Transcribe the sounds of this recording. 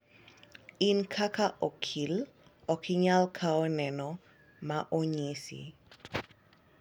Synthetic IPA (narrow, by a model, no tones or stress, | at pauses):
inkʰakaʔɔkʰil | ɔkʰɪɲalkʰaɔnɛnɔ | maʔoɲisḭ